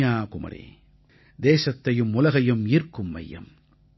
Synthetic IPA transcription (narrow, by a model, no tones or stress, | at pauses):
aːkʊmɐ̰ɾḛː | d̪eːsɐt̪ːɐjɯmʊlɐɣɐjɯmiːrkɯmːɐ̰jːɐ̰m